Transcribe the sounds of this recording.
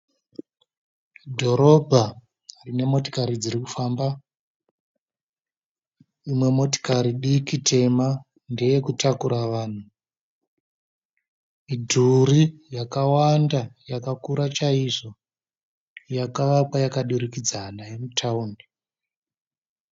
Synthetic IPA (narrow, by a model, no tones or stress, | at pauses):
dʱo̞ɾo̞bʱa | rine̞mo̞ti̥kaɾid͡ziɾiku̥faːmba | imwe̞mo̞ti̥kaɾiɗikitʰe̞ma | nde̞je̞kutakuɾaʋaːn̤u | idʱurijakawandajakakuɾat͡ʃaiʐo̞ | jakaʋapwajakaɗuɾikid͡zanajemutʰaundi